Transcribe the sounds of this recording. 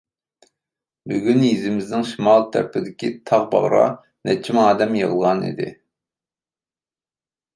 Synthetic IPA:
byɡʲynjizɪmɪznɪŋʃimɑlˠt̪ʰæ̰ɾpʰɪd̪ɪkʲit̪ʰɑʁbɑ̰ʁɾɑ̰ | nɛt͡ʃʰimɑːd̪ɛmjəʁəlˠʁɑnḭd̪ɪ̰

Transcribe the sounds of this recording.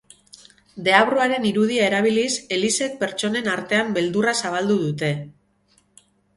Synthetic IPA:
d̪e̞aβɾoaɾe̞niɾuð̞iae̞ɾaβ̞ilise̞lise̞k̚pe̞ɾt͡ʃo̞ne̞naɾt̪e̞ambe̞ld̪urasaβ̞ald̪uð̞ut̪e̞

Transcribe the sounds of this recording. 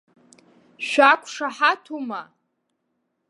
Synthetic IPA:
ʃʷᶣakʷʰʼʂaħatʰuma

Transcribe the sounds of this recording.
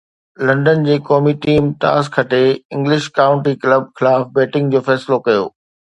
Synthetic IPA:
lɐ̃ɳɖənd͡ʑeːkɔːmiʈiːmt̪a̰ːskʰɐʈeɪ̃ŋɡlɪʃkaːʊ̃ɳʈikləb̚xɪlaːfbɛːʈɪ̃ŋɡd͡ʑoːfɛːsɪlokɐjo̰ː

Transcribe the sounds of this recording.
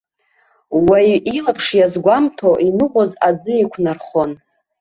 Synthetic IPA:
wajilapʰʂjazɡʷamtʰoʔinɨʁʷozad͡zɨekʷʰnarχon

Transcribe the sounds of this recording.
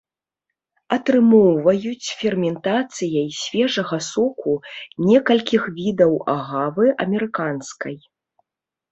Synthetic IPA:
ɐt̪ɾɨmɔwvɐjut͡sʲfʲɛrmʲɛnt̪at̪sɨjɐjsʲvʲɛʐɐɣɐsɔkʰunʲɛkɐlʲkʲixvʲid̪ɐwa̰ɣavɨʔɐmʲɛɾɨkanskɐj

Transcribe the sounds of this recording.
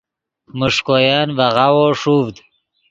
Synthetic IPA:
mʊʂkojɑːnvaɣawoʂuvd̪

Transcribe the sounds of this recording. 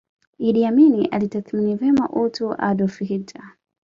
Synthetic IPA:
iɗiaminiʔalitaθminivɛma̰ʔutuʔa̰ɗɔfihitʰa

